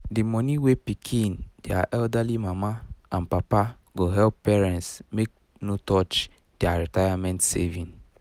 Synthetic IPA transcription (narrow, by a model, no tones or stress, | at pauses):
dimɔniwepikʰĩndeaʔɛldalimamaãnpapa | ɡoɦɛlpːɛɹɛ̃ntsmek̚ | notɔt͡ʃ | d̥eaɹitajamɛ̃ntsḛvĩn